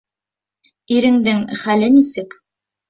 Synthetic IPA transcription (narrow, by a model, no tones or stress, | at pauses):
iɾɘ̆ŋd̪ɘŋχælɘnisɘk